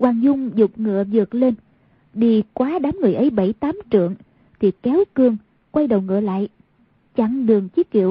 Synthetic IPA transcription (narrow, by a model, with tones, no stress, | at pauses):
kwaː˨˧˩ŋzʊ˧ŋ͡mzʊ˨˩k͡p̚ŋɨ̰˧˥əzɨ˨˩ək̚le˧n | ɗi˧kwaː˨˦ɗaː˨˦mŋɨ˨˩əjʔə˨˦jɓə˧˩jt̪aː˨˦mt͡ɕɨ̰˧˨əŋ | t̪ʰi˨˩kɛ˨˦wkɨ˧əŋ | kwa˧jɗə˨˩wŋɨ̰˧˨əla̰ː˧˨j | t͡ɕa˧˩ŋɗɨ˨˩əŋt͡ɕi˨˦˥t̚kḭ˧˨əw